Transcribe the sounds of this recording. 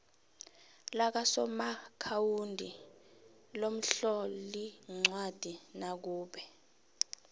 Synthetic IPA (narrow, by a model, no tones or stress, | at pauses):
lak̬asɔmakʰawundʱi | lom̩ɬɔliŋ͡ǀwad̥ʱinak̬uːɓɛ